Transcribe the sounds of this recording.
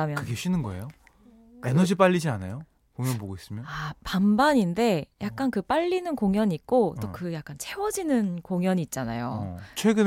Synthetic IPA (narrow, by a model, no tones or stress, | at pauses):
amjkɯɡe̞ɕ͈inɯnɡʌḛjo | enʌd͡ʑip͈aʎːid͡ʑianajo | koŋjʌnpoɡois͈ɯmjʌapambaɲinde̞jak̚k͈ankɯp͈aʎːinɯnkoŋjʌɲiːk̚k͈ot͈okɯjak̚k͈ant͡ɕʰe̞wʌd͡ʑinɯnkoŋjʌɲiːt̚t͡ɕ͈ana̰jot͡ɕʰwe̞ɡɯ